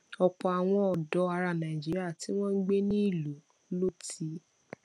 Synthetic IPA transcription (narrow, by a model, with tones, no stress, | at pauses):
ɔ˧k͡pɔ˨˧a˨w̃ɔ̃˧ɔ˨dɔ˨˧˦a˧ɾa˧˨nã˨i˨d͡ʒi˦ɾi˦a˦˨ti˦w̃ɔ̃˦ŋ̩˦ɡ͡be˦nĩ˦i˦˨lo˨˦ | lo˦ti˦